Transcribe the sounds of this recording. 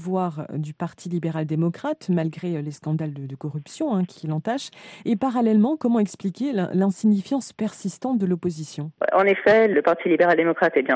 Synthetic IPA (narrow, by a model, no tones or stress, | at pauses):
vwaʁd̪ypaʁt̪ʰilibeʁald̪emɔkχat̪malɡʁeleskɑ̃d̪ald̪əd̪əkɔʁypsjɔ̃ɛ̃kʲʰilɑ̃t̪aʃepaʁalɛlmɑ̃kɔmɑ̃ɛksplikʲḛlɛ̃siɲifjɑ̃spɛʁsist̪ɑ̃t̪̚d̪əlɔpozisjɔ̃wɛ̰ʔɑ̃nefɛləpaʁt̪ʰilibeʁald̪emɔkχat̪ɛbjɛ̃